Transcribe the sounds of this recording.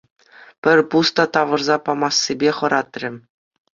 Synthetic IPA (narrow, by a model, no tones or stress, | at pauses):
pʲɘ̆rʲpust̪ɑt̪ɑʋɤ̆rzɑpɑmɑsːibʲeχɤ̆ɾɑt̪rʲɘ̆